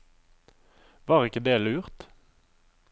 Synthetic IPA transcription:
ʋɑːʁɪkəd̪eːlʉːʁt̪

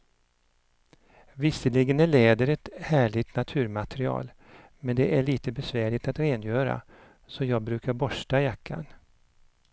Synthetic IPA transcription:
vɪsːəlɪɡənæɭeːd̪əɾɛt̪hæːɭɪt̪nat̪ʰʉ̟ːɾmat̪ɾɪɑ̰ːl | mɛnd̪ɛʔæɭiːt̪əbɛsvæːɭɪɡt̪at̪ɾeːnjœːɾa̰ | sɔjɑːɡ̚bɾʉ̟ːkaɾbɔʂʈajakʰːa̰n

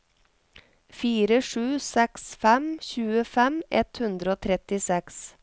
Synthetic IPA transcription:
fiːɾəʂʉːsɛksfɛmçʉːəfɛmɛ̰t̪hʉnd̪ɾəoːt̪ʰɾɛt̪ɪsɛks

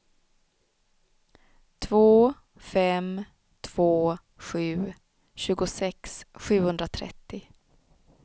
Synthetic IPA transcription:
t̪ʰvoː | fɛm | t̪ʰv̥oː | ɧʉ̟ː | ɕʉ̟ːɡʊsɛksɧʉ̟ːhɵnd̪ɾat̪ʰɾɛ̰t̪ːɪ

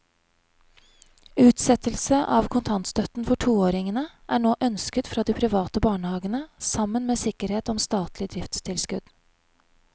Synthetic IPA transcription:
ʉːt̪sɛt̪əlsəʔɑːʋkʰʊnt̪ʰɑnt̪st̪œt̪n̩fɔʈʰuːoːɾɪŋənəʔæːɳoːʔœnskət̪fɾɑːd̪iːpʰɾɪʋɑːt̪əbɑːɳəhɑːɡənəsɑmənmeːsɪkəɾheːt̪ɔmst̪ɑːt̪lɪd̪ɾɪft̪st̪ʰɪlskʉd̪̥

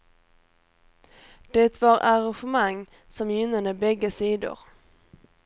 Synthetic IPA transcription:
d̪̥ɛt̪vaɾaɾanɧəmaŋ | sɔmjʏnːad̪əbɛɡːəsiːd̪ʊ̰ɾ

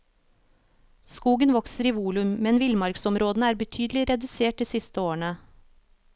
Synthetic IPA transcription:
skuːɡənʋɔksəɾiːʋuːlʉmmɛnʋɪlmɑɾɡsɔmɾoːd̪ənəæːɾbət̪ʰyːd̪əlɪɾɛd̪ʉseːʈ̚d̪iːsɪst̪əoːəɳə

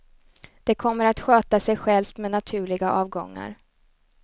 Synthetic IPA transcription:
d̪̥ɛkʰɔmːəɾat̪ɧøːt̪asɛjɧɛlft̪mɛnat̪ʰʉ̟ːɭɪɡaʔɑːvɡɔ̰ŋːa̰ɾ

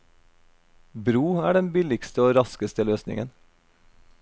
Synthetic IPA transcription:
bɾuːæːɖɛnbɪlɪkst̪əoːɾɑskəst̪əløːsnɪ̰ŋən

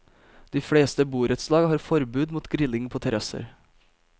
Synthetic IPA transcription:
d̪̥iːfɽeːst̪əbuːɾət̪slɑːɡəhɑːɾfɔɾbʉːd̪muːt̪ɡɾɪlɪŋpʰoːt̪ʰɛɾɑsə̰ɾ

